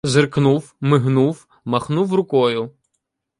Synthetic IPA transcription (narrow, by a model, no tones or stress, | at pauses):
zerknuw | mɪɦnuw | mɐxnuwrʊkɔjʊ